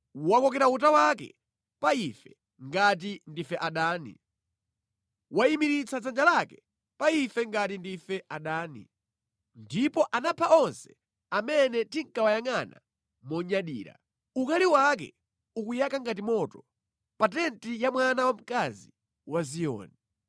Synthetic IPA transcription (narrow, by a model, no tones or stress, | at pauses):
wakɔkɛɾaut̬awakɛ̰ | paifɛ | ŋɡat̬indifɛʔaɗaːnḭ | waimiɾit͡sʰad͡zand͡ʒalakɛ | paifɛŋɡatindifɛʔaɗaːnḭ | ndipɔʔanapʰaɔnsɛ̥ | amɛnɛtiŋ̩kawajaŋana̰ | mɔɲaɗḭːɾa̰ | ukaliwak̬ɛ̰ | ukujakaŋɡat̬imɔtɔ | pat̬ɛntijamwanawam̩kazi | wazijɔ̰ːni